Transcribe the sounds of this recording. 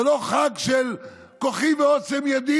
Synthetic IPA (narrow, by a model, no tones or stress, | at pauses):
loχaɡʃel | koχiveot͡semjad̪i